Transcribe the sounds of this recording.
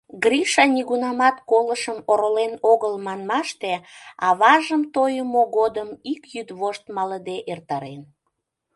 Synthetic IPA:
ɡɾiʃɑnʲiɣunɑmɑt̪koləʃəmoɾolenoɣəlmɑnmɑʃt̪eɑβɑʒəmt̪ojəmoɣod̪əmikjyd̪βoʃt̪mɑləd̪eʔert̪ɑɾen

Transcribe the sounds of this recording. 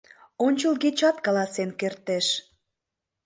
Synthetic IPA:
onʲt͡ɕəlɡet͡ɕɑt̪̚kɑlɑsenkert̪eʃ

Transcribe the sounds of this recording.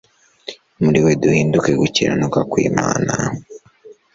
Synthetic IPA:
muɾiweduhiːnduke̞ɡuciɾʔa̰nukakwḭːmaːna

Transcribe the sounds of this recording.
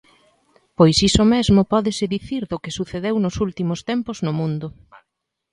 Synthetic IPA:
pojsisomezmʊpɔðɪsɪðiθiɾðʊkɪsuθeðewnʊsult̪imʊst̪empʊznʊmũnd̪ʊ

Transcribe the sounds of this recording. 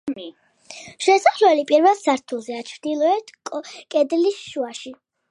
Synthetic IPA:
ʃɛsaχlɛlipʼiɾvɛlˠsaɾt̪ʰulˠzɛat͡ʃʰvd̪ilˠɔɛt̪ʰʼkʼɛd̪lisʃuaʃi

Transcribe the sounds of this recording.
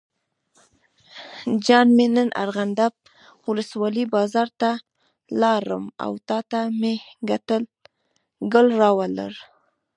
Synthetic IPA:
d͡ʒɑnmenənʔa̰ɾɣand̪ap̚ | wʊləswɑlibɑzɑɾt̪a | lɑɾə̰ma̰wt̪ɑt̪ameɡat̪əl | ɡəlɾɑwala̰ɾ

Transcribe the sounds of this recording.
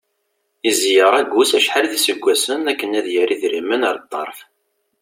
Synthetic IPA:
izjəʁæɡusæʃħalðisəɡʷːæsənækːənæðjəɾiðɾimənəɾˤt̪ˤːɑ̰ɾˤf

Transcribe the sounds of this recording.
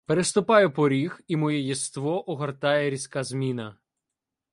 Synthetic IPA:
peɾest̪ʊpɑjɛpɔɾʲiximɔjɛjɛst̪ʋɔʔɔɦɐrt̪ɑjɛɾʲisʲkɑzmʲinɐ

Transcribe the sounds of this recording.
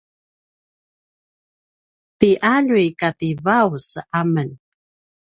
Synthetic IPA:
tiʔaɻikat̪ivawsamən

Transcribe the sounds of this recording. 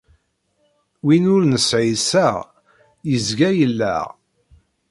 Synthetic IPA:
winʊɾnəsʕisæʁ | jəzɡæjəlːæ̰ʁ

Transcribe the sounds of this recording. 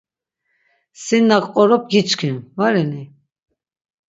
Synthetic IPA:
sinːakʼqʼɔɾɔp̚ʰɡit͡ʃkʰinvaɾɛni

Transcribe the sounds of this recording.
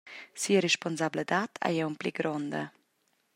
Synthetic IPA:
siəɾeʃpɔnzabləd̪at̪ʰa̰jɛumpliɡɾɔnd̪ə̰

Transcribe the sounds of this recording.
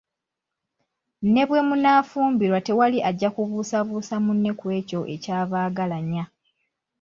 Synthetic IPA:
ne̞βwe̞munaːfuːmbiɾwate̞waliʔaɟːakuβuːsaβuːsamunːe̞kwe̞ːco̞ʔe̞caːβaːɡalaɲːa

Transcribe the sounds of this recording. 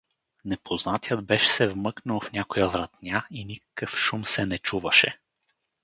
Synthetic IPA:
nɛpʰoznat̪ijəd̪bɛʃɛ̥sɛvmɤknəwˠfnʲakojəvɾɐt̪nʲainʲikə̥kɤfʃumsɛnɛt͡ʃuvɐʃɛ̰

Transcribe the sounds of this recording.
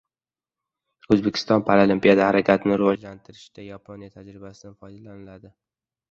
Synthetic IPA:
ɵzbekʲʰɪ̥st̪ɒnpʰaɾolimpijad̪ahaɾakʲʰat̪ʰɪnɪɾɪvɒd͡ʒlant̪ʰɪɾɪʃd̪ajapʰonjat̪ʰad͡ʒɾɪbasɪd̪anfɒjd̪alanɪlad̪ɪ

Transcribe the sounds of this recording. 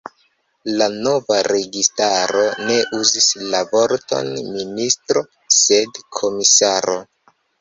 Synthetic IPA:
lano̞vaɾe̞ɡistaɾo̞ne̞ʔuzislavo̞ɾto̞̰nministɾo̞ | se̞dkʰo̞misaɾo̞̰

